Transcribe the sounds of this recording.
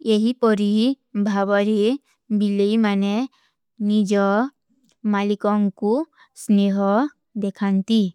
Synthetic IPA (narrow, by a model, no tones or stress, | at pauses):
eɦipɔɾi | bʱabɔɾi | bilejmane | nid͡ʒɔ | malikɔŋku | sneɦɔ | d̪ekʰant̪i